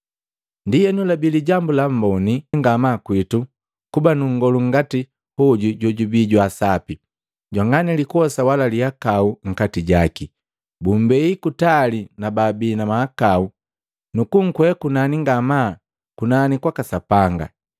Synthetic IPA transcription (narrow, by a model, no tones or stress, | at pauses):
ndijɛnulabiliɟambulam̩bɔniŋɡamakwitu | kubanuŋ̩ɡɔluŋ̩ɡati | hɔɟuɟɔɟubiɟwasapi | ɟwaŋɡanilikuɔsawalalihakauŋ̩katiɟaki | bumbɛikutalinababiːnamahakau | nukuŋ̩kwɛkunaniŋɡama | kunanikwakasapaŋɡa̰